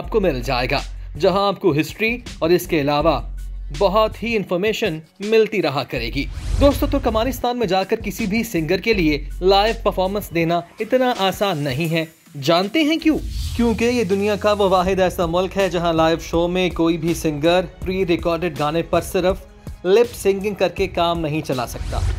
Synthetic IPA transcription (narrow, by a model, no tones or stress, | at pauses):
aːp̚komɪld͡ʒa̰ːḛːɡa̰ːd͡ʒɐɦãaːp̚koɦɪsʈɾiɔːɾɪskeɐlaːʋabɐɦɔt̪ɦiɪ̃nfɔːɾmeːʃən | mɪlt̪iɾɐɦakɐɾḛːɡiːd̪oːst̪õt̪ʊkɐmaːɾɪst̪aːnmẽd͡ʒaːkɐɾkɪsibʱisɪ̃ŋɡəɾkelielaːɪʋpɐɾfɔːɾmə̃nsd̪eːnaɪt̪naʔaːsaːnːɐɦĩɦɛ | d͡ʒaːnt̪eɦɛ̃kjũːkjõːkejed̪ʊnijakaʋoʋaːɦɪd̪ɛːsamʊlkɦɛd͡ʒɐɦãlaːɪʋʃoːmẽkoːibʱisɪ̃ŋɡəɾpɾiːɾɪkɔːɾɖɪɖ̚ɡaːnepɐɾsɪɾəf | lɪpsɪ̃ŋɡɪ̃ŋkɐɾkekaːmnɐɦĩt͡ʃɐla̰sɐk̚t̪a̰ː